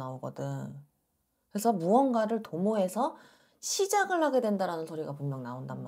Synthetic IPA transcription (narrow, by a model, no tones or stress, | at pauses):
aoɡʌ̰dɯŋ | kɯɾe̞sʰʌmuʌnɡaɾɯɭtomoɦe̞sʰʌ | ɕʰid͡ʑaɡɯɭɦaɡe̞dwe̞ndaɾanɯnsʰoɾiɡapummjʌŋnaondamːa